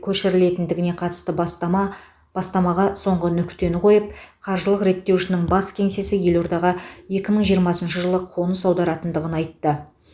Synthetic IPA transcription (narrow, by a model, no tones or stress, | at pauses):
kʲʰɵʃɪɾɪle̞t̪ɪnd̪ɪɡʲɪne̞qʰɑt̪əst̪ə | b̥ɑst̪ɑmɑʁɑso̞ɴʁənʏkʲt̪e̞nɪqʰo̞jəp̚qʰɑɾʒəlˠəqɾe̞t̪ːe̞wʃɪnɪŋbɑskʲʰe̞ŋse̞sɪje̞lo̞ɾd̪ɑʁɑje̞kʲɪməɴʒijəɾmɑsənʃəʒəlˠəqʰo̞nəsɑwd̪ɑɾɑt̪ənd̪əʁənɑjt̪ːə